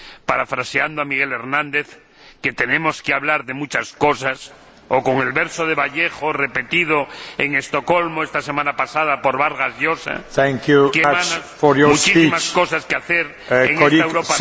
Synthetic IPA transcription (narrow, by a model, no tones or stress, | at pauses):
paɾafɾaseand̪oamiɣ̞ele̞ɾnãnd̪eθ | ket̪e̞nẽmoskeaβlaɾðemut͡ʃasko̞sas | oko̞ŋe̞lβeɾsoð̞eβaʎexorepe̞t̪ið̞oeŋest̪oko̞lmoest̪asemãnapasaðapoɾβaɾɣazʎosa̰θɛŋkjukemanasfojmmut͡ʃisimaskosaskeaθeɾ | eŋest̪aewɾopa